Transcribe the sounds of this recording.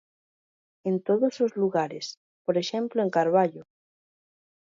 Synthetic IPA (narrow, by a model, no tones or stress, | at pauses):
ent̪oðozlozluɣaɾes | poɾeʃẽmploeŋkaɾβ̞aʎo